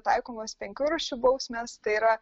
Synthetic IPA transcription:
t̪ɐɪkoːmospʲɛŋʲkʲuːɾɐʃʲubɐʊsʲmʲɛst̪ɐɪiːɾɐ

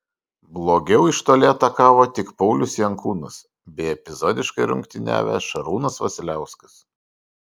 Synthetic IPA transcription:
blˠoːɡʲɛʊɪʃt̪oːlʲeːt̪ɐkɑːʋoːt̪ʲɪkpɒʊlʲʊsjɛŋkuːnʊs | bʲɛɪɛpʲɪzoːd̪ʲɪʃkɐɪɾʊ̰ŋʲkt̪ʲɪnʲæ̰ːʋʲæ̰ʃɐɾuːnɐsʋɐsʲɪlʲæˑʊsʲkɐs

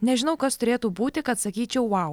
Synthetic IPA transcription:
nʲɛʒʲɪnɐʊkɐst̪ʊɾʲeːt̪uːbuːt̪ʲɪkɐt̪sɐkʲiːt͡ʃʲɛʊʋɐʊ

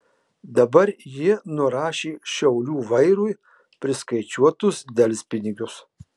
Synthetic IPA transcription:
d̪ɐbɐɾjiɛnʊɾɑːʃʲeːʃʲɛʊlʲuːʋɐɪɾuːj | pʲɾʲɪskɐɪt͡ʃʲuɔt̪ʊsd̪ʲɛlʲsʲpʲɪnʲɪɡʲʊs

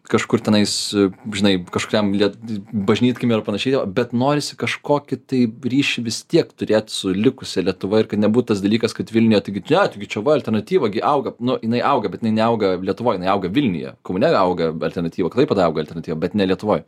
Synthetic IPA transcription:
kɐʃkʊrt̪ʲɛnɐɪsʒʲɪnɐɪkɐʃkʊɾʲɛmlʲiɛtbɐʒʲnʲiːt̪kʲɪmʲiɾɐpɐnɐʃʲɛɪt̪ʲɛʋɐbʲɛt̪noːɾʲɪsʲɪ̥kɐʃkoːkʲɪt̪ɐɪɾʲiːʃʲɪʋʲɪst̪ʲiɛkt̪ʊɾʲeːt̪ʲsʊlʲɪkʊsʲɛlʲiɛt̪ʊʋɐɪrkɐt̪nʲɛbuːt̪ʊt̪ɐs̬d̪ɐlʲiːkɐskɐt̪ʋʲɪlʲnʲɪjɛt̪ɐɪɡʲɪnʲɛt̪ɪɡʲɪt͡ʃʲɛʋɐɐlʲtʲɛɾnɐt̪ʲiːʋɐɡʲɪʔɐʊɡɐnʊjɪnɐɪʔɐʊɡɐbʲɛt̪jɪnɪnʲɛɐʊɡɐlʲiɛt̪ʊʋoːjɪnɐɪɐʊɡɐʋʲɪlʲnʲɪ̰jɛ̰komʊnʲɛɐʊɡɐɐlʲtʲɛrɾnɐt̪ʲiːʋɐkɐtlˠɐɪpɐtd̪ɐɐʊɡɐlʲtʲɛrɾnɐt̪ʲiːʋɐbʲɛt̪nʲɛlʲiɛt̪ʊʋoːj

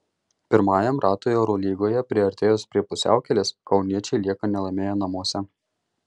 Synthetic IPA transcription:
pʲɪɾmɑːjɛmɾɑːt̪oːjoːɾoːlʲiːɡoːjɛpʲɾʲɪɐɾʲt̪ʲeːjoːspʲɾʲiɛpʊsʲæ̰ˑʊkʲɛlʲɪskɒʊnʲiɛt͡ʃʲɛɪlʲiɛkɐnʲɛlˠɐmʲeːjɛnɐmuɔsʲɛ

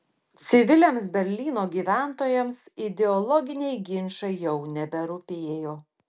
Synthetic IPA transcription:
t̪sʲɪʋʲɪlʲemsbʲɛɾʲlʲiːnoːɡʲiːʋʲæˑnt̪oːjɛmsɪd̪ʲɛɔlˠɔɡʲɪnʲɛɪɡʲɪnʲʃɐɪjɛʊnʲɛbʲɛɾʊpʲeːjoː

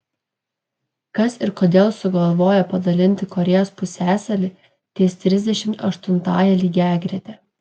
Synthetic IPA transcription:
kɐsɪɾkoːd̪ʲeːlˠsʊɡɐlˠʋoːjɛpɐd̪ɐlʲɪnʲt̪ʲɪkɔɾʲɛːjoːspʊsʲæːsɐlʲɪ | t̪ʲeːst̪ʲɾʲɪzʲd̪ʲɛʃʲɪmt̪ɐʃt̪ʊnt̪ɑːjɛlʲiːɡʲæːɡɾʲet̪ʲɛ

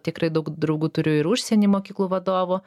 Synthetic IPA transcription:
t̪ʲɪkɾɐɪd̪ɐʊkd̪ɾɐʊɡuːt̪ʊɾʲʊjɪɾʊʃʲsʲɛnʲiːmoːkʲiːklˠuːʋɐd̪oːʋo

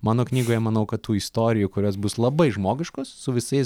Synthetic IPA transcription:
mɑːnoːknʲiːɡoːjɛmɐnɐʊkɐt̪t̪uːist̪oːɾʲɪjukʊɾʲoːsbʊslˠɐbɐɪʒmoːɡʲɪʃkoːsːʊʋʲɪsɐɪs

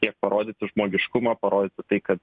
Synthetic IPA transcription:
t̪ʲiɛk̚pɐɾoːd̪ʲɪːt̪ʲɪʒmoːɡʲɪʃkʊmɐːpɐɾoːd̪ʲɪːt̪ʲɪt̪ɐɪkɐt̪

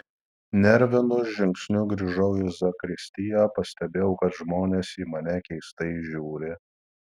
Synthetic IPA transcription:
nʲɛɾʲʋʲɪnʊʒʲɪŋksʲnʲʊɡɾʲiːʒɐʊɪzɐkɾʲɪsʲt̪ʲɪjæːpɐsʲt̪ʲɛbʲeːʊkɐt̪ʒmoːnʲeːsiːmɐnʲɛkʲɛɪst̪ɐɪʒʲuːɾʲɪ

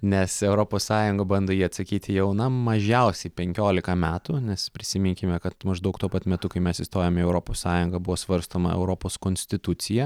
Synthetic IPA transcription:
nʲɛsɛʊɾoːpoːssɑːjʊŋɡɐbɐnd̪oːjiːɐt̪sɐkʲiːt̪ʲɪjɛʊnɐmɐʒʲɛʊsʲɛɪpʲɛŋʲkʲoːlʲɪkɐmʲæːt̪ʊnʲɛspʲɾʲɪsʲɪmʲɪŋʲkʲɪmʲɛkɐt̪mɐʒd̪ɐʊk̚t̪uɔpɐt̪mʲɛt̪ʊkɐɪmʲɛsɪst̪oːjɛmʲɪɛʊɾoːpoːssɑːjʊŋɡɐbʊʋoːsʋɐɾst̪oːmɐ̰ɛ̰ʊɾoːpoːskoːnʲsʲt̪ʲɪt̪ʊt̪sʲɪjɛ

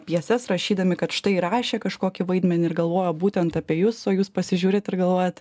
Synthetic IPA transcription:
pʲjiɛsʲɛsɾɐʃʲiːd̪ɐmʲɪkɐt̪ʃt̪ɐɪɾɑːʃʲeːkɐʃkoːkʲɪʋɐɪd̪ʲmʲɛnʲɪɾɡɐlˠʋoːjoːbuːt̪ʲɛnt̪ɑpʲiɛjuːsoːjuːspɐsʲɪʒʲuːɾʲɪt̪ɪɾɡɐlˠʋoːjɛt̪

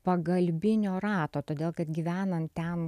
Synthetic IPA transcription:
pɐɡɐlʲbʲɪnʲoːɾɑːt̪oːt̪oːd̪ʲeːlˠkɐt̪ɡʲiʋʲæːnɐmt̪ʲɛn

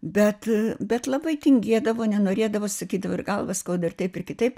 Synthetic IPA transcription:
bʲɛt̪bʲɛt̪lˠɐbɐɪt̪ʲɪŋʲɡʲiɛd̪ɐʋoːnʲɛnoːɾʲeːd̪ɐʋoːsɐkʲiːd̪ɐʋoːɪ̰rɡɐlˠʋɐskɐʊd̪ɪrt̪ɐɪpɪrkʲɪt̪ɐɪp

